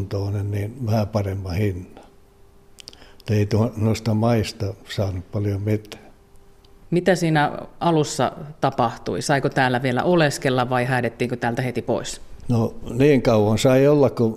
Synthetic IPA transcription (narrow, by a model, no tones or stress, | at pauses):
nt̪oːnenniːnʋæhæpɑremːɑhinːɑ̥ | t̪ːeit̪uonoist̪ɑmɑist̪ɑsɑːnuppɑljomit̪ːˑæ̥ː | mit̪æsiːnæɑlusːɑ̰t̪ɑpɑht̪ṵisɑikot̪æːlːæʋielæ̰ʔoleskelːɑʋʋɑihæˑːdet̪ːiːŋkot̪æːlt̪æhet̪ipo̰isnoniːŋkɑuwɑnsɑiolːɑkko